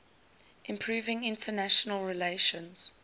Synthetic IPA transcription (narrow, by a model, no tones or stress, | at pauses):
ʔɪ̃mpʰɹuːvɪ̃ŋɪ̃ntʰənæʃənəlɹileɪʃə̃nz̥